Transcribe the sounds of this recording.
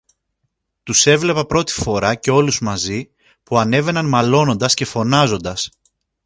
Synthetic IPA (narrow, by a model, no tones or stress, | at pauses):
t̪use̞vle̞pɐpɾo̞t̪i̥fo̞ɾɐce̞o̞luzmɐzi | puɐne̞ve̞nɐnmɐlo̞no̞nd̪ɐsce̞fo̞nɐzo̞nd̪ɐs